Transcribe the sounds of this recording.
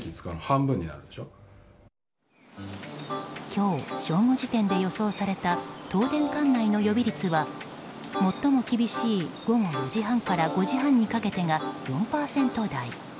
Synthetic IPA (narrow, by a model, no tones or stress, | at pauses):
kʲit͡sɨ̥kaɾɯhãmbɯ̟̃ɲ̟ːina̰ɾɯ̟d̪eɕo | kʲʰo̞ːɕo̞ːŋo̞ʑit̪ẽ̞nd̪e̞jo̞so̞ːsaɾe̞t̪at̪o̞ːd̪ẽ̞ŋkãnːaino̞jo̞bʲiɾʲit͡sɨβa | mo̞t̪ːo̞mo̞kʲibʲiɕiːɡ̥o̞ɡo̞jo̞ʑiɦãŋkaɾaɡo̞ʑiɦãɲ̟ːikake̞t̪e̞ŋajõ̞mpaːsẽ̞nt̪o̞d̪ai